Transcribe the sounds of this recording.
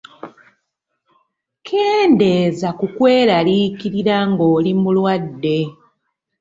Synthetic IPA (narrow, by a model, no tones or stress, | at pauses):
kʰeːnde̞zakukwe̞ːɾalikiɾiɾaŋɡo̞ːlimulwadːe̞